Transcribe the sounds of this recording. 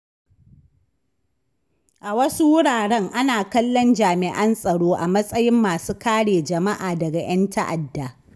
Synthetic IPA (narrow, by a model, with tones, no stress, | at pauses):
ʔa˨wɐ˦su˦wʊ˦ɽaː˨ɽɛ˦ŋʔa˦naː˨kɐ˦lːɔ˦nd͡ʒaː˨mɪ˨ʔɐ˦nsʼɐ˨ɽoː˦ʔa˨mɐ˦sʼɐ˦jɪ˦mːaː˨suː˦kaː˦ɽeː˨d͡ʒɐ˨ma˦ʔaː˨dɐ˨ɡa˨j̰ɐ˦ntɐ˦ʔa˨dːa˨